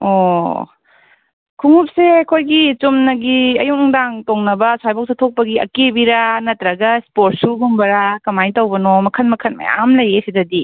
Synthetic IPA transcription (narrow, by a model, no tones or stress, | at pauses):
o | kʰuŋup̚sekʰojɡit͡ʃumnɐɡiɐjuŋŋdaŋtoŋnɐbɐswajbak̚setʰok̚pɐɡiɐ̰kebiɾanɐtɾɐɡɐspoɾt̚suɦumbɐɾakɐmajntɐwbɐnomɐkʰɐnmɐkʰɐnmɐ̰ja̰mlɐjesidɐdi